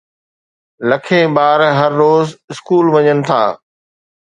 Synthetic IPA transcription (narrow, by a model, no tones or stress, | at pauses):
lɐkʰẽːbaːɾɦɐɾːoːzɪskuːlʋɐɲənɪ̆t̪ʰa̰ː